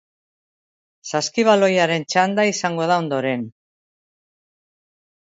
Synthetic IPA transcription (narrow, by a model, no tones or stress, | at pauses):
saskiβ̞alo̞jaɾe̞nt͡ʃand̪aisaŋɡo̞ð̞ao̞nd̪o̞ɾe̞n